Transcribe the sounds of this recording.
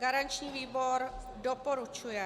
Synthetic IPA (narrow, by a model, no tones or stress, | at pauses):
ɡaɾant͡ʃĩʋibɔɾ | ɖɔpɔɾut͡ʃʰuja